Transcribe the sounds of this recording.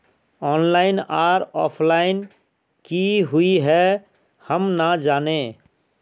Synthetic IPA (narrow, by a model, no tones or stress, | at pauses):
ɔːnlaɪnaːɾɔ̰ːpʰlaɪn | kiɦuiɦɛ | həmnəd͡ʒaːne